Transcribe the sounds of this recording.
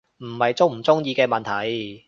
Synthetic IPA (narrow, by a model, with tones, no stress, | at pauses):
m̩˨˩hɐ˨jt͡sʊ˥ŋm̩˨˩t͡sʊ˥ŋjiː˧kɛː˧mɐ˨nt̪ʰɐ˨˩j